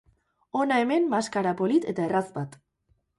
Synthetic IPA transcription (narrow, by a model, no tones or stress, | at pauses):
o̞nae̞me̞mːaskaɾapo̞lit̪e̞t̪ae̞razbat̪